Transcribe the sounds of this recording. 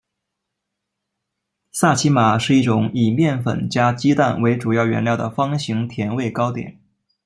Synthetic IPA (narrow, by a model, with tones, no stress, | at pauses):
sa˥˩t͡ɕʰi˧˥ma˨˩ʂɻ̩˥˧i˥˩ʈ͡ʂʊ˨˩˦ŋi˨˩mjɛ˥˩nfə̰˨˩nt͡ɕja˥t͡ɕi˥t̪a̰˥˩nwe˧˥ɪʈ͡ʂu˨˩jɑ˥˩ʊɥɛ̰˧˥nljɑ˥˩ʊd̪ə̰˩fɑ˥ŋɕi˧˥ŋt̪ʰjɛ˧˥nwe˥˩ɪkɑ˥ʊt̪jɛ̰˨˩˦n